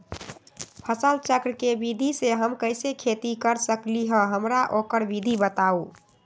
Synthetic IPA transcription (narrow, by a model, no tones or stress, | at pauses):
pʰəsəlt͡ʃəkɾkebid̪ʱiseɦəmkəjsekʰet̪ikəɾsəkliɦə̃ɦəmɾaʔokəɾbid̪ʱibət̪au